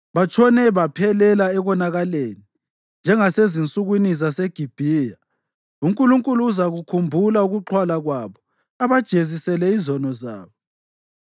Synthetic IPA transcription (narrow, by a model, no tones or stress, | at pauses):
βat͡ʃʰʼɔnɛβapʰɛlɛlaɛβɔnaɣaleːni | nd͡ʒʱɛŋasezint͡sʼuɣwinisaseɡ̥ʱib̥ʱiːja | uŋkʼuluŋkʼuluːzaɣukʰumbʱulauɣuǃʰwalaɣwaβɔ | aβad̥ʒ̥ʱezisɛlɛizɔnɔza̰ːβɔ